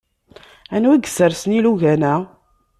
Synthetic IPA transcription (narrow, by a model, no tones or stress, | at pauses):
ænwiɡəsəɾsəniluʝænæ